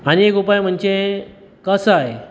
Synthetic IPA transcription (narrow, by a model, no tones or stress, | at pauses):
añiekupajm̤əɳt͡ɕe | kəsaɦe